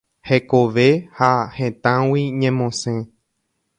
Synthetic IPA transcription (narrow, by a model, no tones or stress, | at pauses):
hekoʋe̞hahẽt̪ãwiɲẽmõsẽ